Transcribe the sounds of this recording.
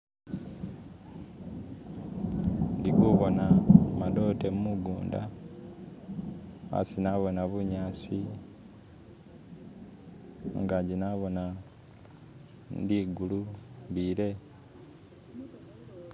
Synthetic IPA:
ndikuβo̞namado̞ːtemumuɡuːnda̰ | a̰sinaβo̞naβuɲaːsi | ŋɡaɲɟinaβo̞na | ndiɡuluβile̞

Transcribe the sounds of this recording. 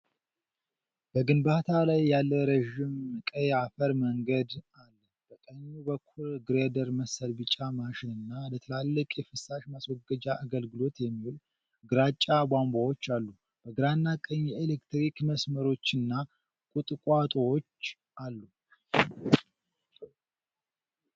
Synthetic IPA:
b̥əɡɨnbat̪ʰalajːalːəɾəʒɪmkʼəjafəɾməŋɡəd̪ | alːə | b̥əkʼəɲːubəkʰːulɡɨɾed̪əɾməsəlbɨt͡ʃʼamaʃɪnɨnːalət̪ʰəlalːəkʼjɛfɨsaʃmaswɔɡəd͡ʒaʔaɡəlɡɨlo̞t̪jɛmːihul | ɡɨɾat͡ʃʼːabambawo̞t͡ʃːalːu | b̥əɡɨɾanːakʼəɲjɛelekt̪ɾikməsməɾo̞t͡ʃːɨnːa | kʼut̪ʼɨkʼat̪ʼowot͡ʃː | ʔalːu

